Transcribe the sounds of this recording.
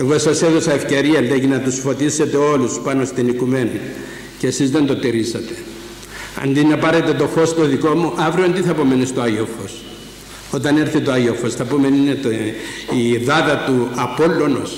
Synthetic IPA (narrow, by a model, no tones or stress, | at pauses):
e̞ɣo̞sɐse̞ðosɐefce̞ɾiɐlːeʝinɐt̪usfo̞t̪ise̞t̪e̞o̞luspɐno̞st̪inikume̞ni | ceesizðe̞nd̪o̞t̪iɾisɐt̪e̞̥ | ɐ̰nd̪inɐpɐɾe̞t̪e̞t̪o̞fo̞st̪o̞ðiko̞muʔɐvɾiont̪iθɐpomenist̪oaʝiofo̞s | o̞t̪ɐne̞ɾθit̪oaʝofosθɐpomeninet̪iðɐðɐt̪uɐpo̞lːo̞nos